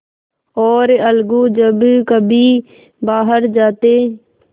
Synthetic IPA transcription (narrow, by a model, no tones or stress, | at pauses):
ɔːɾəlɡuːd͡ʒəbkəbʱiː | baːɦəɾd͡ʒaːt̪eː